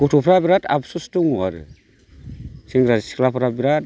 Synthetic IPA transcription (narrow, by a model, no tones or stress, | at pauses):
kutupɾabiɾada̰bsustuŋwaɾə̰ | siŋɡɾasi̥klafɾabiɾad